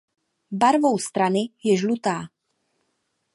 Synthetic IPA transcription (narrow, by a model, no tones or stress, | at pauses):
baɾvowst̪ɾanɪjɛʒlut̪aː